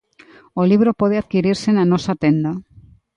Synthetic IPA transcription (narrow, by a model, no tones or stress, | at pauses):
oliβ̞ɾopoð̞eaðkiɾiɾsenanosat̪end̪a